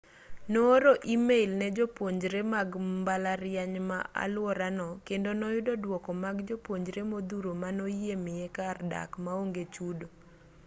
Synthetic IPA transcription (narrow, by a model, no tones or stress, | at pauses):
noːɾoʔimeilnɛd͡ʒopwoɲd͡ʒɾemaɡmbalaɾjaɲma̰ʔa̰lwɔɾanɔkendonɔjʊdɔdwɔkɔmaɡd͡ʒopwoɲd͡ʒɾemod̪uɾomanojemɪjekarda̰kmaoŋɡet͡ʃudo